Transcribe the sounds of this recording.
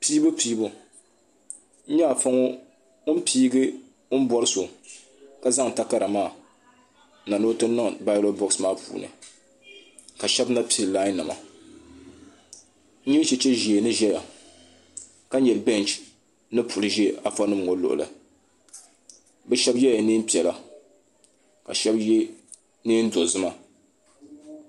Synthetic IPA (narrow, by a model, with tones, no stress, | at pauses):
pi˦bɨ˦piː˦bu˦ | ɲa˦˨fa˦ŋo˦ | ʊ˦m̩˦piː˦ɡɨ˦ | ʊ˦n̩˦bɔ˦lɨ˦so˨ | ka˨za˦ŋ˨ta˦ka˦ɾa˨maː˦˨ | na˨nɨ˦tɨ˦nɨ˦ŋ˨ba˦lo˦bɔ˦smaː˦pṵː˨nɨ̰˨ | ka˨ʃɛ˦bna˦pi˦lla˦nːɨ˨ma̰˨˦ | ɲi˦t͡ʃɛ˨˦t͡ʃɛ˦ʒi˨e˨nɨ˦ʒɛ˦ja˨ | ka˦ɲɛ˨lbɛ˦nt͡ʃ | nɨ˦pu˨lɨ˨ʒɛ˦ʔa˨fa˦nɨ˦m˨ŋo˦lo̰˨ʔʊ̰˨lɨ̰˨ | bɛ˦ʃɛ˦bjɛ˦ja˨niː˦m̩˦pi˨ɛ˨la˨ | ka̰˨ʃɛ˦bje˦ | niː˦n̩˦do˨zɨ˦ma˨